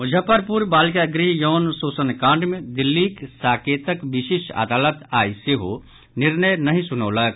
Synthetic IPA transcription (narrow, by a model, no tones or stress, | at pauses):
ʊd͡ʒʱəpəɾpuɾbaːlkeɐɡɾiɦjɔːnsoːsənkãːɳɖmẽd̪ɪlːiksaːkeːt̪əkʋɪʃiːʃa̰ːd̪aːlət̪a̰ːiseɦo̰ | nɪɾnəjnɐɦĩsʊnoːlək̚